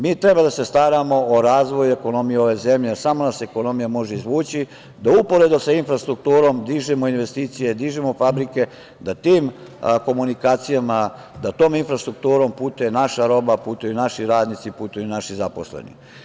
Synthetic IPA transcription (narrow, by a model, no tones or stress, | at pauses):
miːt̪ɾe̞bad̪ase̞st̪aɾamo̞oɾaːzʋo̞jue̞ko̞no̞mijeo̞ʋe̞ze̞mʎe̞samo̞naseeko̞no̞mijamo̞ʒeizʋuːt͡ɕi | d̪aupo̞ɾe̞d̪osainfɾast̪ɾuk̚t̪uːɾo̞md̪iʒimoinʋe̞st̪iːt̪sije̞d̪iːʒimofabɾike̞ | d̪at̪iːmko̞munikaːt̪sijama | d̪at̪o̞ːminfɾast̪ɾuk̚t̪uːɾo̞mpuːt̪ujenaʃaɾo̞baput̪ujunaʃiɾaːd̪nit̪sipuːt̪ujunaʃizapo̞̰slḛnḭ